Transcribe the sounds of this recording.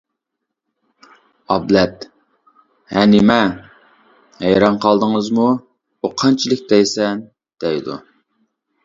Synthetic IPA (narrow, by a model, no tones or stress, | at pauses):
ɑblɛt̪ | hɛnɪmɛ | hɛjɾɑnqʰɑlˠd̪əŋəzmu | oqʰɑnt͡ʃʰilɪk̚ʲd̪ɛjsɛn | d̪̥ɛjd̪ṵ